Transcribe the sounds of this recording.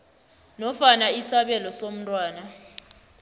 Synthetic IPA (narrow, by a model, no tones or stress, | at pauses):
nɔfanaisaɓɛlɔsom̩tʼwaːna